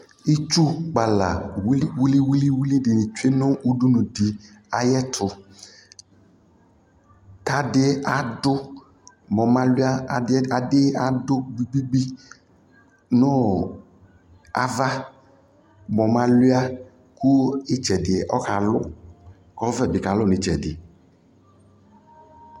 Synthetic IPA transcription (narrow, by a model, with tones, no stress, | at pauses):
i˦t͡ʃu˦k͡pa˨la̰˨wwu˦li˦wu˦li˦wu˦li˦dɪ˨nɪ̃˨t͡ʃe˦nʊ̃˦wu˦du˦nʊ̃˨di˨ | a˨jɛ˦t̪ʰʊ˨ | t̪a˦dɪ˦a˨dʊ˦ | mɔ˨mã˦lʊ˦a˦˨˦a˨dɪ˦a˦dʊ˦ɡ͡bi˦ɡ͡bi˦ɡ͡bi˦ | nʊ̃˦ | a̰˨va˦ | mɔ˨mã˦lʊ˦a˦ | ku˦ɪ˦t͡ʃɛ˨dɪ˨ɛ˨ʔɔ˦ka˨lʊ˦ | ɔ˦vɛ˦bɪ˨ka˨lʊ˦nɪ˨t͡ʃɛ˨dɪ˨